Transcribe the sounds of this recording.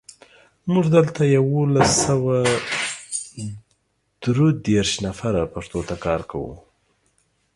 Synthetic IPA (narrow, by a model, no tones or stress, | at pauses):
mʊʐd̪əlt̪ajawolasawa | d̪̥ɾod̪eɾʃnafaɾapaʂt̪ot̪akɑɾkawṵ